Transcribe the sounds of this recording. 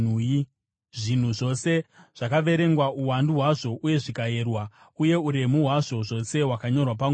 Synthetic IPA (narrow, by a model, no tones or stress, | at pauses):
ʐin̤uʐo̞se̞ʐ̥akaʋe̞ɾe̞ŋɡwauwanduɦwaʐo̞ʔuje̞ʐikaje̞ːrwa | uje̞uɾe̞muɦwaʐo̞ʐo̞se̞wakaɲo̞rwapaŋ